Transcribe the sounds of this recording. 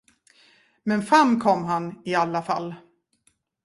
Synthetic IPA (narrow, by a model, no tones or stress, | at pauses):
mɛnfɾamːkʰɔmːɦanɪalːafa̰lː